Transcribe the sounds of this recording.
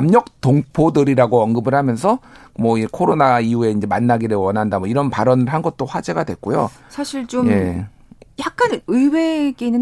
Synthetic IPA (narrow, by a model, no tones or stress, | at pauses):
mɲʌk̚toŋpʰodɯɾiɾaɡoʌnɡɯbɯɭhamjʌnsʰʌmwʌiekʰoɾonaiue̞ind͡ʑemanːaɡiɾɯɭwʌnɦandamwʌiɾʌnpaɾʌnɯɭɦanɡʌt̚t͈oɸwad͡ʑe̞ɡadwek͈ojosʰaɕʰiɭt͡ɕomje̞ | jak̚k͈anɯiwe̞ɡeinːɯn